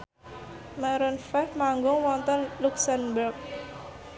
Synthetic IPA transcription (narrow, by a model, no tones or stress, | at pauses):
mɛɾɔnfɛhmaŋɡʊŋwɔnt̪ɔnluksɛnbərk̚